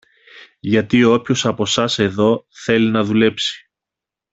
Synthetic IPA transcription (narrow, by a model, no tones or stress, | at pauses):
ʝɐt̪ioopço̞sɐpo̞sɐse̞ðo̞θe̞linɐðule̞psi̥